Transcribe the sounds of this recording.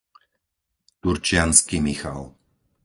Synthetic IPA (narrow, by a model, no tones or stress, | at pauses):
t̪uɾt͡ʃɪanskimixa̰l